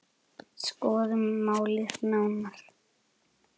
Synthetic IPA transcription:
skɔːðɪmaːwlɪθnawnaɾ̥

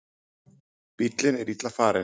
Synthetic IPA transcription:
pit̪lɪnɛɾit̪afaɾɛ

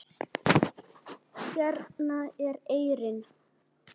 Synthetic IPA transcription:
sjɛɾnaɛɾeːjɾɪn

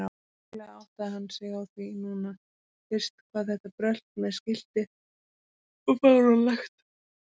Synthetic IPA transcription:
a | lɛɣaawht̪aðhanːsɛɣawθvinuna | fɪr̥st̪kʰvaːðθɛht̪apɾœl̥t̪mɛðscɪl̥t̪ɪ | ɔkʰaðʏɾalaxt̪

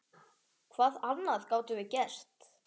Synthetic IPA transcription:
kʰvaːðanːaðkaːwt̪ʏvɪcɛr̥t̪

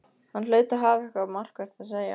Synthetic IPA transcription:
hanlœːɥt̪aɦaːvɛhkamar̥kvɛɾ̥t̪aðseːja̰

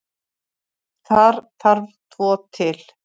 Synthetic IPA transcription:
θaɾ̥θaɾðt̪ʰvɔːt̪ʰɪl

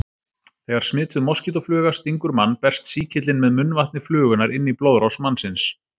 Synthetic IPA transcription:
θɛːɣaɾ̥smɪːt̪ʏðmɔscɪt̪ɔflʏːɣast̪iŋkʏɾmanːpɛr̥st̪siːcʰɪt̪lɪnmɛðmʏnːvaht̪nɪflʏːɣʏnaɾɪnːiplowðɾɔsmanːsɪns

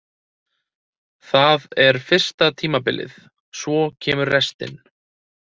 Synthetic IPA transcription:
θaðɛɾ̥fɪr̥st̪at̪ʰiːmapɪlʔɪ̰ð | svɔcʰɛːmʏɾrɛst̪ɪ̰n

